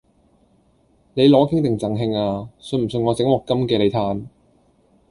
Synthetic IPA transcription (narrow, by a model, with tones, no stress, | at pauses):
ne˨˧jlɔː˨˥kʰɪ˥ŋt̪ɪ˨˩ŋt͡sɐ˨˩ŋɦɪ˧ŋaː˧sɵ˧nm̩˨˩s̬ɵ˧nŋɔː˨˧t͡sɪ˨˥ŋwɔː˨˩kːɐ˥mkɛː˧le˨˧jt̪ʰaː˧n